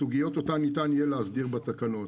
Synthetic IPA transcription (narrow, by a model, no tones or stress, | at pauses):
uɡijo̞t̪ot̪anit̪anijeleazdiʁbat̪akano̞t